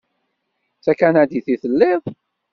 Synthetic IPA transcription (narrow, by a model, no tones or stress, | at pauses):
t͡sækænad̪iθiθəlːɪðˤ